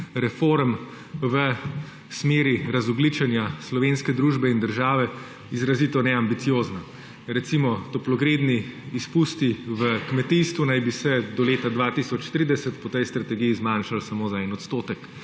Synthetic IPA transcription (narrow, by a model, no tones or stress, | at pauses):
ɾɛfoɾm | ʋə | smeːɾiɾazɔɡlit͡ʃɛnjaslɔʋenskɛd̪ɾuːʒbɛind̪əɾʒaːʋɛ | izɾaziːt̪ɔnɛambit̪sijoːzna | ɾɛt̪simɔt̪ɔplɔɡɾeːd̪niːspuːst̪iʋəkmɛt̪ist̪ʋunajbisɛd̪ɔleːt̪ad̪ʋaːt̪isɔt͡ʃt̪ɾiːd̪ɛsɛt̪pɔt̪ɛjst̪ɾat̪ɛɡijizmanʃalsamoːzaɛnɔt̪st̪oːt̪ɛk